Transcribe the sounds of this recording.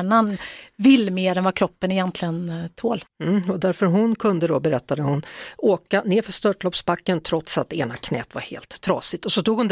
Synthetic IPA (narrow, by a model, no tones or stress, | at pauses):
ɳanvɪlːmeːɾɛnvɑːkʰɾɔpːənɪjɛnt̪ʰlɪɡənt̪ʰoːlm̩ːɔd̪æɾfœɾɦʊnkʰɵnd̪əd̪ɔbɛɾɛt̪ːad̪əhʊnoːkaneːɾfœʂt̪œʈlɔpsbakːənt̪ʰɾɔt̪sat̪̚ːḛːnakʰnɛ̰ːt̪va̰ɾhḛːlt̪ʰːɾɑ̰ːsɪt̪ɔsɔt̪uːɡhʊnd̪